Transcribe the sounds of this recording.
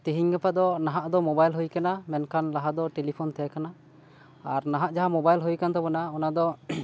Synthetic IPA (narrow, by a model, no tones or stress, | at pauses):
t̪iɦiɲɡɛpad̪ɔnaɦaʔd̪ɔmɔbajlɦujkanamɛnkʰanlaɦad̪ɔʈelipʰɔnt̪ʰɛkana | aɾnaɦaʔd͡ʒaɦamɔbajlɦujkant̪ɔbɔnaɔnad̪ɔ